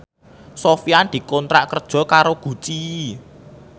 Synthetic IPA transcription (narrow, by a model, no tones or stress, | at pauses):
sofiand̪̥i̤kɔnt̪ɾa̰ʔkərd̥ʒ̥ɔ̤kaɾoɡ̥ṳt͡ʃi